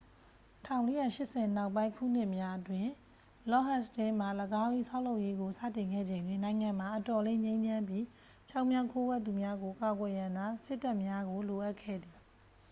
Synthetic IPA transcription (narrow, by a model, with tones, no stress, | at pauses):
tʰã˨ʊ̃le˦ja̰˦˨ʃɪ˦ʔsʰɛ˨na˦ʊp̬ːã˦ɪ̃ŋkʰṵ˦˨n̥ɪ˦ʔmja˦ʔətwɪ̃˦˨ | lɔ˦ɦa˦stɛ˦m̥a˨ləɡa˦ʔḭ˦˨sʰa˦ʊʔlo˦ʊʔje˦ɡo˨sä̰˦˨tɪ̃˨ŋɡɛ̰˦˨d͡ʑẽ˨ndwɪ̃˦˨nã˨ɪ̃ŋã˨m̥a˨ʔətɔ˨lẽ˦ɲẽ˦ɲd͡ʑʰã˦mbji˦ | t͡ɕʰa˦ʊʔmjã˦ʊ̃kʰo˦wɛ˦t̪̬ːu˨mja˦ɡo˨ʔəka˨ɡwɛ˨jã˨nd̪ða˦sɪ˦tːa˦ʔmja˦ɡo˨lo˨ʔa˦ʔkʰɛ̰˦˨d̪i˨